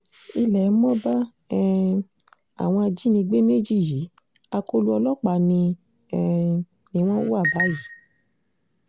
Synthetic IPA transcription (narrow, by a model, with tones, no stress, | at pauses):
i˧lɛ˨˦mɔ̃˦ba˦ | ɛ˦ | a̰˨w̃ɔ̃˧a˧d͡ʒi˦nĩ˧ɡ͡be˦me˦d͡ʒi˦˨ji˨˦ | a˧ko˦lu˦ɔ˧lɔ˦k͡pa˨nĩ˧ | ɛ˧ | nĩ˧˦w̃ɔ̃˦wu˦a˦˨ba˨˦ji˨˦